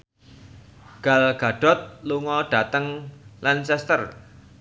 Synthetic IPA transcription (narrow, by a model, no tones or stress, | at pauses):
ɡ̥a̤lɡ̥a̤ɖ̥ɔ̤t̪̚luŋɔɖ̥a̤t̪əŋlansɛst̪ər